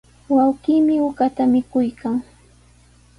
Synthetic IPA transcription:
wawkiːmɪʊkat̪amɪkʊjkaŋ

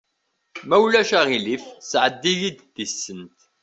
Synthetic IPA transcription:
mæwlæʃæʁilifsʕəd̪ːiʝid̪ðisːənt̪

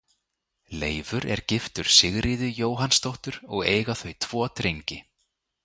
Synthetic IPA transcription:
leːjvʏɾɛ̰ɾ̥cɪft̪ʏɾ̥sɪɣɾʔɪðʏjoːwɦanst̪owht̪ʏɾɔɣeːjɣaθœɥt̪ʰv̥ɔːt̪ɾejɲcɪ

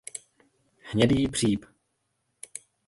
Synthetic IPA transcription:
hɲɛdiːbr̝̥iːp

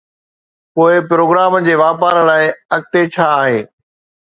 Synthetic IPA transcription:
poːɪpɾoːɡɾaːmə̆d͡ʑeːʋaːpaːɾəlaːɪɐɡ̚t̪et͡ɕʰaːɦeː

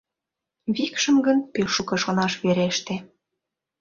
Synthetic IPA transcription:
βikʃə̆mɡənpeʃukɤ̆ʃonɑʃβeɾeʃt̪ĕ

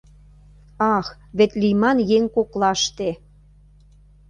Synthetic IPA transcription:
ɑx | βet̪lijmɑnjeŋkoklɑʃt̪e

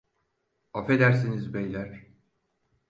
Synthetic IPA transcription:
afed̪æɾsinizbɛjlʲæɾ̥

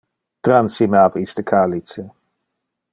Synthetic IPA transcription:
t̪ɾansimeabist̪əkʰaːlisə

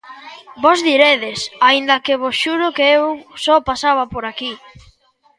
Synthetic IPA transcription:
bɔzðiɾeðɪsaind̪ɐkeβosʃuɾʊkeewsɔpasaβapoɾaki

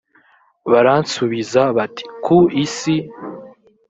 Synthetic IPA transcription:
βaɾansuβizaβatʰi̥kʰuisi

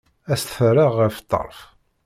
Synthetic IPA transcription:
æst̪fərɑʁːəft̪ˤːɑ̰ɾˤf

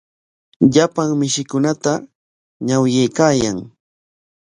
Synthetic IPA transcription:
ʎapaŋmɪʃɪkʊnat̪a | ɲawjejkaːjaŋ

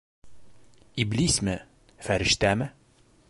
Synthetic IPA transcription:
iblismɘ | fæɾɘ̆ʃt̪æmɘ

